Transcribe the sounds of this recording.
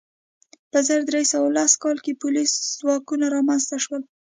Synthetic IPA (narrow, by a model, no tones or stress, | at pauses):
pəzəɾd̪ɾesawalaskɑlkepʊliszwɑkunaɾɑmanzt̪aʃwəl